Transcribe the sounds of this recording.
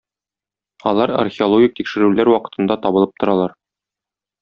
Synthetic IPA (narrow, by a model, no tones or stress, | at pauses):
ɒlˠɑɾɐ̰rxʲeolˠoɡʲik̚t̪ikʃɘ̆ɾʉlæɾwɒqɤ̥̆t̪ɤ̆nd̪ɑt̪ɒbɤ̆lˠɤp̚t̪ŏɾɑlˠɑɾ